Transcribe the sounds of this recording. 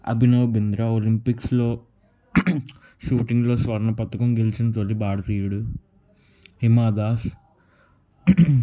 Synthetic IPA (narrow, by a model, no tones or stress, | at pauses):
ɐ̰bʱinoːbind̪ɾaolimpiksloː | ʃuːʈiŋɡloːsʋɐɾɐɳɐpɐt̪ːɐkɐmɡelt͡ʃint̪olːibaːɽɐt̪iːuɽu | ɦimaːd̪aːs